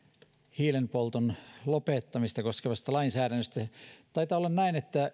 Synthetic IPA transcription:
hiːlenpolt̪onlopet̪ːɑmist̪ɑkoskeʋɑst̪ɑlɑinsæːɾænːøst̪æt̪ɑit̪ɑːolːɑnnæinet̪ːæ

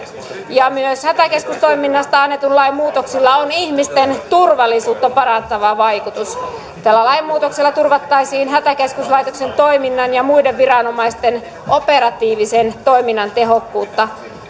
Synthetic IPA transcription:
jɑmyøshæt̪ækeskust̪oiminːɑst̪ɑɑnːet̪unlɑimmuːt̪oksilːɑonihmist̪ent̪urʋɑlːˑisuːt̪ːɑpɑɾɑnt̪ɑʋɑʋɑjkut̪us | t̪ælːælɑimːuːt̪oksilːɑt̪urʋɑt̪ːɑisiːnɦæt̪ækeskuslɑit̪oksent̪o̞iminːɑnjɑmuideʋʋirɑnomɑist̪en | ʔopeɾɑt̪iːʋisent̪oiminːɑnt̪eɦokːuːt̪ːɑ

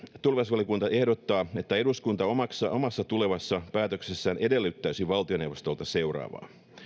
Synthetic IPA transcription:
t̪ulʋesʋɑliokunt̪ɑe̞hdot̪ːɑːe̞t̪ːæe̞duskunt̪ɑomɑksːɑʔomɑsːɑt̪ule̞ʋɑsːɑpæːt̪øksesːæːnʔe̞de̞lːyt̪ːæysiʋɑlt̪io̞ne̞wʋost̪o̞lt̪ɑse̞wrɑ̰ːʋɑ̰ː

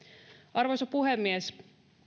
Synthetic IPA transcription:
ʔɑrʋojsopuɦemːies

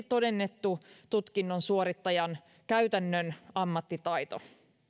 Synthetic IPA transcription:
t̪o̞de̞nːe̞t̪ːut̪ut̪kinːonsuoɾit̪ːɑjɑn | kæyt̪ænːønɑmːɑt̪ːit̪ɑjt̪o

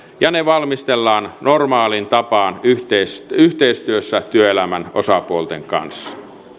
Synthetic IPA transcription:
jɑneʋɑlmist̪elːɑːnnormɑːlint̪ɑpɑːnyht̪eisyht̪eist̪yøsːæt̪yøelæmæno̰sɑpuolt̪eŋkɑ̰nsːɑ̥

